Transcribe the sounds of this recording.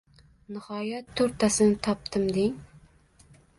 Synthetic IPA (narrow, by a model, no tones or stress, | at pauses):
nɪhɒjat̪ʰːoɾt̪ʰːasɪnɪt̪ʰɒp̚t̪ʰɪmd̪ɪŋ